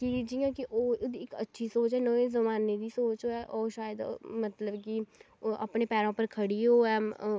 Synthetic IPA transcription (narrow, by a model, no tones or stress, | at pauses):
kiːd͡ʒiːjãːkɪʔoːd̪iɪkətːʃʰiːsoːt͡ʃɛːnɔːẽːzəmaːneːd̪iːsoːt͡ʃoɛːʔoːʃaːjəd̪mət̪ləbki | ʔa̰ːpneːpɛːɾãːpəɾkʰəɽiːoːɛː